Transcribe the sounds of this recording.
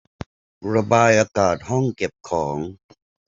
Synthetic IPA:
ɾa˧baː˧jʔaː˧kaː˨˩t̪̚hɔ˥˩ŋke˨˩p̚kʰɔː˩˦ŋ

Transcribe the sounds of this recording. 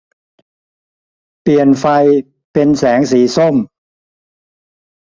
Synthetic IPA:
pli˨˩ənfa˧j | pe˧nsɛː˩˦ŋsiː˩˦so˥˩m

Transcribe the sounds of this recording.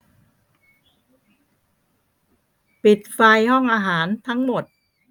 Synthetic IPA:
pi˨˩t̪̚fa˧jhɔ˥˩ŋʔaː˧ɦaː˩˦nt̪ʰa˦˥ŋmo˨˩t̪̚

